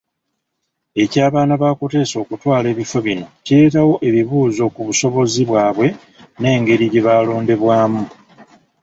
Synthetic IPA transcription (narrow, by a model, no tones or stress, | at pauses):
e̞caːβaːnaβako̞te̞so̞ːkutwaːle̞ːβife̞βino̞cie̞ːtawo̞ʔe̞βiβuːzo̞kuβuso̞βo̞ziβwaːβwe̞ | ne̞ːŋɡe̞ɾiɟe̞βaːlo̞ːnde̞βwaːmu